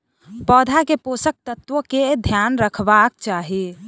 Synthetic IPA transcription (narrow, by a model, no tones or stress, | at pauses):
pɔːd̪ʱakeposək̚t̪ət̪wəked̪ʱjanɾəkʰbak̚t͡ʃaːɦi